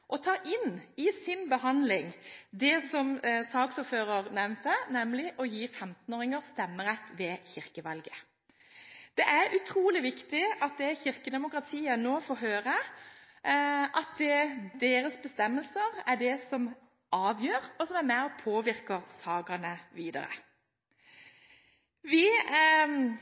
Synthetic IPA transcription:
ʔɔt̪ʰɑːʔɪnɪsɪnbəhɑnd̪lɪŋd̪ɛsɔmsɑːɡsɔfhøːʁəʁnɛʋnt̪ənɛmlɪʔɔjiːfɛmt̪noːɾɪŋəʁst̪ɛmːəʁɛt̪ːʋɛçɪʁkəʋɑlɡə | d̪̥ɛʔæɾʉt̪ʰɾuːlɪʋɪkt̪ɪɑt̪̚d̪ɛçɪʁkəd̪ɛmʊkʁɑt̪ʰiːənoːfoːɦøːʁə | ʔɑt̪̚d̪ɛd̪eːɾəsbəst̪ɛmːəlsəʁæɖɛsɔm | ɑːʋjøːʁɔsɔmæmæɔpʰoːʋɪɾkəʁsɑːɡɑnəʋiːd̪ɑ̰ʁə̰ | ʋɪ

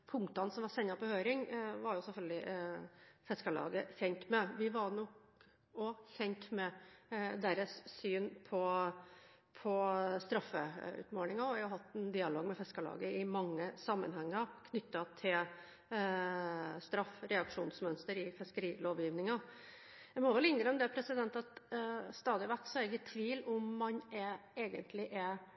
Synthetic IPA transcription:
pʰʊŋkt̪ɑnsɔmʋɑsɛnːɑpɔhøːɾɪŋʋɑɾjʊsɛfœlɡ̪lɪ | fɛskəɭɑ̰ːɡəçɛnt̪mɛʋɪʋɑnɔk | ɔçɛnt̪mɛd̪æɾəssyːnpʰɔ | pʰɔst̪ɾɑfːəʉ̰ːt̪moːɳɪŋɑɔʋæʊɦɑt̪ːɛnd̪ɪːɑloːɡmɛfɛskəɭɑ̰ːɡəɪmɑŋːəsɑmːə̰nɦɛŋːəkʰnʏt̪ːɑt̪ʰɪl | st̪ɾɑfɾɛɑkʂuːnsmœnst̪əɾɪfɪskəɾiːloːʋjiːʋnɪŋɑ | jæɪmɔʋɛlɪnɾəmd̪ɛpʰɾɛsɪd̪ɛnt̪ɑt̪st̪ɑːd̪ɪʋæʈːsɔæɾɡət̪ʰːʋiːlʊmːɑnɛeːɡənt̪ʰlɪʔɛ

